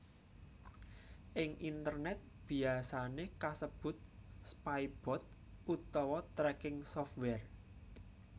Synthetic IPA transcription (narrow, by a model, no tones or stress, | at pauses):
ʔɪŋʔint̪ərnɛt̪̚b̥i̤asanekasəb̥ʊ̤t̪̚spaib̥ɔ̤t̪̚ | ut̪ɔwɔt̪ɾɛkɪŋsɔft̪̚wɛr